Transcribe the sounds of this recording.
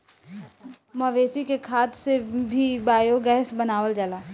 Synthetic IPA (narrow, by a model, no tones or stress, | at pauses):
məʋeːsikekʰaːt̪sebʱibaːjoɡɛɦsbənaːʋəld͡ʒalaː